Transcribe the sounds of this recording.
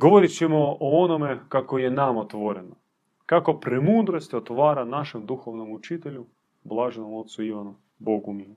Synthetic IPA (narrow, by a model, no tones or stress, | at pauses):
ɡoʋoɾit͡ɕɛmooonomekakojenamot̪ʋoɾeno | kako̞pɾemud̪ɾost̪ot̪ʋaːɾanaʃemd̪uxoʋnomut͡ʃit̪eʎu | blˠaːʒenomot̪suiʋanu | boɡumiu